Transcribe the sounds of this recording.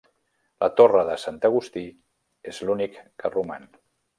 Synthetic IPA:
lʔət̪orəðəsant̪əɣ̞ust̪i | ezlunikːəruma̰n

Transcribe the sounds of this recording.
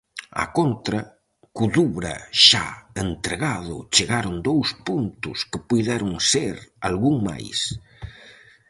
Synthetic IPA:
a̰kont̪ɾɐ | kuðuβɾa̰ʃa̰ent̪ɾeɣaðʊ̰t͡ʃeɣaɾʊnd̪owspunt̪ʊskepujðɛɾʊŋseɾalɣuŋma̰js

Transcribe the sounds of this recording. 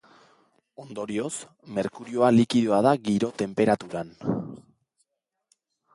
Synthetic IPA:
o̞nd̪o̞ɾio̞s | me̞ɾkuɾio̞alikiðoað̞aɣiɾo̞t̪e̞mpe̞ɾat̪uɾan

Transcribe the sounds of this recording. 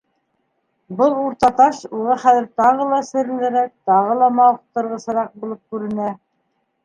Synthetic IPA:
bɤlˠuɾt̪ɑt̪ɑʃuʁɑχæðɘ̆ɾt̪ɑʁɤlˠɑsɘ̆ɾ̆lɘ̆ɾæk̚t̪ɑʁɤlˠɑmɑwχt̪ɤ̆ɾʁɤ̆sɤ̆ɾɑq̚bulˠɤp̚kʉɾɘ̆næ

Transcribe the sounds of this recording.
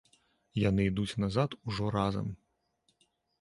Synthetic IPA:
janɨid̪ut͡sʲnazat̪uʐɔɾazɐ̰m

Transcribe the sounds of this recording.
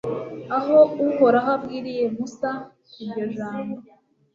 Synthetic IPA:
aɦo̞uho̞ɾaɦabɡiːɾije̞musa | iɾɟo̞ʒaːmbo

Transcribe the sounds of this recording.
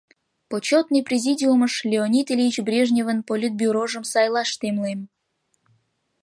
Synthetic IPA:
pot͡ɕot̪nɨjprʲezʲidʲiuməʃlʲeonʲit̪elʲiit͡ɕbrʲeʒnʲevənpolʲit̪̚bʲuɾoʒə̆msɑjlˠɑʃt̪emlem

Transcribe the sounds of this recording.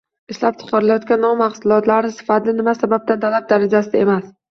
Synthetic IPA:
ɪʃlap̚t͡ʃʰɪ̥qʰɑɾɪlajɒt̪̚kʲanːɒmːɑχsʊlˠɒt̪laɾɪsɪ̥fat̪lɪnɪmasabab̚t̪ant̪ʰalap̚d̪aɾad͡ʒasɪd̪ae̞mas

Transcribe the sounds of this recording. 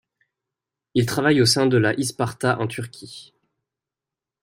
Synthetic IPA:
ilt̪χavajosɛ̃d̪əlaʔispaʁt̪aʔɑ̃t̪yʁkʲʰi

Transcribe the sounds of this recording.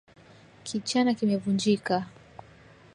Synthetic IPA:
kʰit͡ʃanakimɛvund͡ʒika

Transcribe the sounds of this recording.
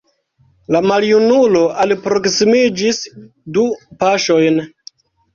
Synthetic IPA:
lamaljunuloʔalpɾo̞ksimid͡ʒis | dupaʃo̞jn

